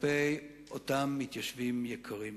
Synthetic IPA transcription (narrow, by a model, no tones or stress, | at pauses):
pej | ʔotamːit̪jaʃvimjekʰaʁim